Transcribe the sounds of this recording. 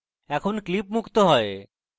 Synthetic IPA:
ɛkʰonklipmukʰt̪oɦɔe

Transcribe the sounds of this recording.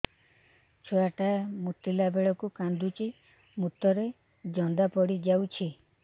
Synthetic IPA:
t͡ʃʰoaʈamut̪ːilabeɭɔkukand̪ut͡ʃi | mut̪ɔɾe | d͡ʒɔnd̪apɔɽid͡ʒawt͡ʃʰi

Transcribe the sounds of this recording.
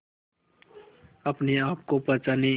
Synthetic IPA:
əpneaːp̚kopət͡ʃane

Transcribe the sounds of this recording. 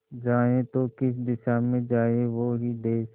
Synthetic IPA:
d͡ʒaːẽt̪okɪsd̪ɪʃaːmẽd͡ʒaːeʋoɦid̪eːs

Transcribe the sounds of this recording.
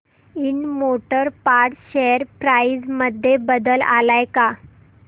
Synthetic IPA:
inmoʈəɾpaʈɕeɾpɾaid͡zməd̪ʱːjebəd̪əla̰lajka

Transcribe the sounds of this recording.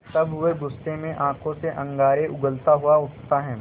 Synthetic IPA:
t̪ɐbʋeɡʊst̪emẽʔãːkõseʔɐ̃ŋɡaːɾeʔʊɡəlt̪aɦuaʊst̪aɦɛ̃ː

